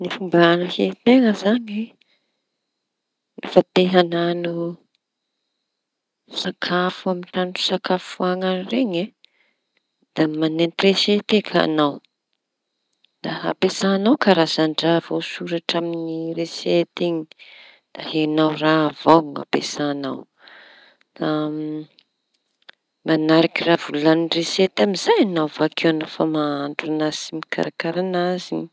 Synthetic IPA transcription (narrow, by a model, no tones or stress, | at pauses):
nifumbaanahet̪eŋəzaɲi | nifat̪eɦananu | sakʰafuamiʈ͡ʂaɳɖ͡ʐu̥sakafuaŋanireɲe | d̪̥amanent̪reset̪ekʰa̰naw | d̪̥aha̰pesanawkaɾazaɳɖ͡ʐavawsuɾaʈ͡ʂaminireset̪iɲi̥ | d̪̥ahenawravaŋa̰pesanaw | d̪̥a | manaɾakiravululanreset̪amizajanawvakʰewanəfamaaɳɖ͡ʐunasimikʰa̰ɾakaɾanazini